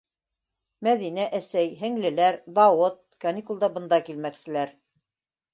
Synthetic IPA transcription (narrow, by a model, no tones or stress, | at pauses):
mæðinæʔæsæjɦɘ̆ŋlɘ̆læɾd̪ɑwɤt̪̚kɑnʲikulˠd̪ɑbɤ̆nd̪ɑkilmæksɘ̆læɾ